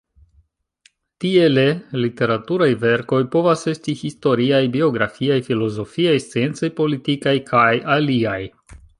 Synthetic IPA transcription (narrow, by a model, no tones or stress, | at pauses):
tie̞le̞lite̞ɾatuɾajve̞ɾko̞jpo̞vase̞stihisto̞ɾiajbio̞ɡɾafiajfilo̞zo̞fiajst͡sie̞nt͡sojpo̞litikajkʰajaliaj